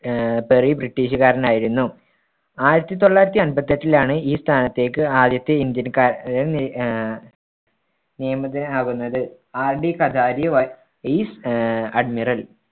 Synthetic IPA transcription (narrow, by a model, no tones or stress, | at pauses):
perijbriʈːiːɕukaːɾɐnaːjiɾunːu | aːjiɾɐt̪ːit̪o̞ɭːaːjɾɐt̪ːiɐnbɐt̪ːɐtːilaːɳɨiːst̪ʰaːnɐt̪ːe̞ːkːɨaːd̪jɐt̪ːeind̪jɐnkaːɾɐ | nijɐmɐt̪ːinaːɣunːɐðɨ | aːrɖikɐd̪ʱaːɾijɐʋɐ | isɐɖmirɐl